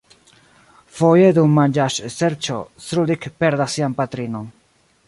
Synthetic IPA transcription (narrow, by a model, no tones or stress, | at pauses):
fojed̪ummand͡ʒaʃseɾt͡ʃo̰sɾud̪ikpeɾd̪asːianpat̪ɾinon